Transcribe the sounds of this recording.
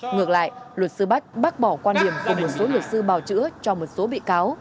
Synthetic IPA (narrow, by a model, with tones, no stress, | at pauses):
ŋɨ˨˩ək̚la̰ː˧˨jlwə˨˩t̚sɨ˧ɓa˦˥k̚ɓa˦˥k̚ɓɔ˧˩kwaː˧nɗi˨˩əmku˨˩mo˨˩t̚so˨˦lwə˨˩t̚sɨ˧ɓaː˨˩wt͡ɕɨ̰˧˥ət͡ɕɔ˧mo˨˩t̚so˨˦ɓḭ˧˨kaː˨˦w